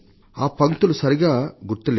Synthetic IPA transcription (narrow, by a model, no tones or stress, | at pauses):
aːpɐŋt̪ulusɐɾiɡaːɡuɾt̪ːɐle